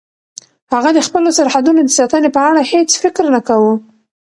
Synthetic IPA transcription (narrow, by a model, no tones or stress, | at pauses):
haɣad̪əxpəlosaɾhad̪unod̪əsat̪ənepəaɽahet͡sfɪkɾnakawu